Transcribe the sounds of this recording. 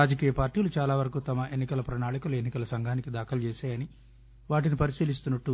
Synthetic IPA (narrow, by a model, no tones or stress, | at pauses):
ɾaːd͡ʒɐkiːjɐpaːɾʈiːlut͡ʃaːlaːʋɐɾɐkut̪ɐmɐʔe̞nːikɐlɐpɾɐnaːɭikulɐe̞nːikɐlɐsɐŋɡʱaːnikid̪aːkʰɐlt͡ʃɛːʃaːjɐni | ʋaːʈinipɐɾisiːlis̬t̪unːɐʈːu